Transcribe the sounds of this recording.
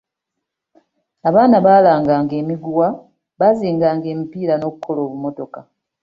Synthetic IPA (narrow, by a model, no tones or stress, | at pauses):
aβaːnaβaːlaːŋɡaːŋɡe̞ːmiɡuwa | βaziːŋɡaːŋɡe̞ːmipiːɾano̞βukʰːo̞lo̞ːβumo̞to̞ka